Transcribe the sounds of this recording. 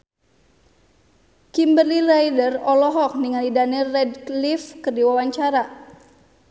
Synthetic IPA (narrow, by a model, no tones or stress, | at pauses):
kimbərlirajdərɔlɔɦɔk̚niŋalidanirːɛdlifkərdiwawaɲt͡ʃaɾa